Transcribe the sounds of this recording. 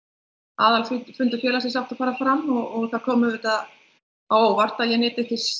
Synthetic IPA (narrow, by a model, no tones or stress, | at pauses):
aːðalfʏfʏnt̪ʏfjɛːlasjɛs̬aft̪afaːɾafɾamɔɣɔɣθaɾkʰɔːmʏvɪt̪að | owvar̥t̪aðjɛnɪːt̪ɪθɪs